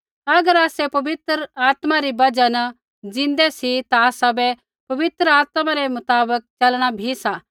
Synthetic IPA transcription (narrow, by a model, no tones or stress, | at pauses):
ɐɡəɾaːsɛpɐʋɪt̪ɾəaːt̪maɾibɐd͡ʒanɐ | d͡zɪ̃nd̪ɛsit̪aːsɐbɛ | pɐʋɪt̪ɾəaːt̪mãɾemʊt̪aːbək̚t͡ʃɐlɽ̃abʱisa